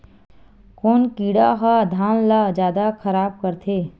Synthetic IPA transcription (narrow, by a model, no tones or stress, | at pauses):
koːnkiːɽaɦad̪ʱaːnlad͡ʒaːd̪akʰəɾaːb̚kəɾt̪ʰeː